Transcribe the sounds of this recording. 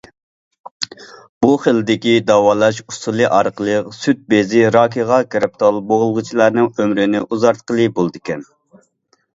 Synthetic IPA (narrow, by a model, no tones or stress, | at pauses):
b̥uχəlɪd̪ɪkʲid̪ɑwɑːlˠɑʃusulˠɨʔɑɾqəlˠəqsyt̪̚bezɪɾɑːkʲʰiʁɑkʲɾɪp̚t̪ʰɑlˠboʁʊlˠʁʊt͡ʃʰilˠɑɾnɨŋømɾɪnɪʔuzɑɾt̪qəlˠɨbolˠd̪ɨkʲɛn